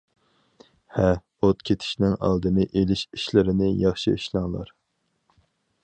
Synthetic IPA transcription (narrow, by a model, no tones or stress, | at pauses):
hɛ | ot̪kʲʰet̪ʰɪ̥ʃnɪŋɑ̰lˠd̪ɨnɨʔelɪʃiʃlɪɾɪnɪjɑχʃiiʃlˠɑŋlˠɑ̰ɾ